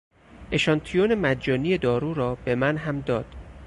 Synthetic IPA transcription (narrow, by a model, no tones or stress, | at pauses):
ʔe̞ʃɒnt̪ʰijonemæd̪d͡ʒɒːnije̞d̪ɒːɾuːɾɒːb̥e̞mænɦæmd̪ɒːd̪̥